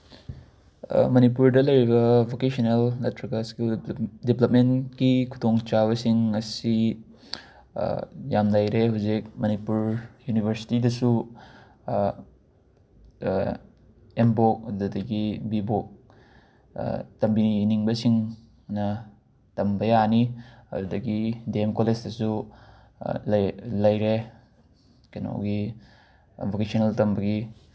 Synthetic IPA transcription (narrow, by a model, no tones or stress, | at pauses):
mɐnipuɾdɐlɐjɾibɐbʱokesɐnelnɐtʰɾɐɡɐskuldiplɐp̚menkikʰu̥tʰoŋt͡ʃaβɐsiŋɐsi | jamlajɾeɦawzik̚mɐnipuɾjunibʱeɾsi̥tidɐsu | embok̚ɐddudɐɡibibok̚ | tɐmbiniŋbɐsiŋ | nɐ | tɐmbɐjaniɐ̰dudɐɡideemkolesdɐsu | llɐjɾe | kɐno̰wɡi | bokesoneltɐmbɐɡi